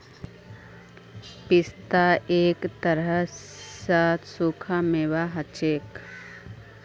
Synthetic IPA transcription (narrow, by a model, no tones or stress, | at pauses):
pɪst̪aeːkt̪əɾə | saːt̪ʰsuːkʰameʋaɦɐt͡ʃeːk